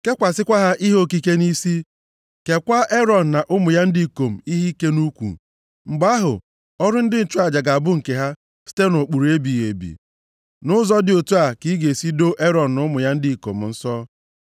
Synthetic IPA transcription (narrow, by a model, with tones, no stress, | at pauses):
ke˦kʷa˨sɪ˦kʷa˦ɦa˦ʔi˦ɦo˦ki˦ke˦ni˦si˦ | ke˨kʷa˦e˦ɾɔ˨n̩˨na˨ʔʊ˦mʊ˨ja˦n̩˦di˦i˨ko˨m̩˨i˦ɦi˦ke˦nu˦kʷṵ˨ | ŋ͡m̩˨ɡ͡ba˦ɦʊ̰˨ | ɔ˦ɾʊ˦n̩˦dɪ˦n̩˨t͡ʃu˦a˨d͡ʒa˨ɡa˨a˨bʊ˦ŋ̩˨ke˨ɦa˦ | si̥˦te˦no˨k͡pu˨ɾu˨e˦bi˨ḛ˨bḭ˨ | nʊ˦zɔ˦dɪ˨o˨tu˦a˨ki˦ɡe˨si˦do˦ʔe˦ɾɔ˨n̩˨nʊ˦mʊ˨ja˦n̩˦di˦i˨ko̰˨m̩˨n̩˦sɔ˦